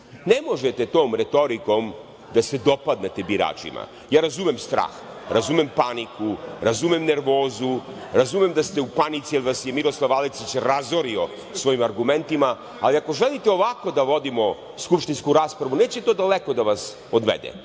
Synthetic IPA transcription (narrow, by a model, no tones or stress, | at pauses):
ne̞mo̞ʒet̪e̞t̪o̞ːmɾe̞t̪o̞ɾiko̞m | d̪ase̞d̪o̞pad̪net̪ebiɾa̰ːt͡ʃḭma̰ | jaːɾazumemst̪ɾa̰ːx | ɾazumempanikuɾazumemne̞ɾʋo̞ːzu | ɾazumemd̪ast̪e̞upanit̪sijelʋasje̞miɾo̞slˠaʋalisit͡ɕɾazoɾio̞ | sʋo̞imaɾɡume̞nt̪ima | aliako̞ʒelit̪eo̞ʋako̞d̪aʋo̞d̪imo̞ | skupʃt̪inskuɾaːspɾaʋune̞ːt͡ɕet̪od̪aleko̞d̪aʋas | od̪ʋḛd̪ḛ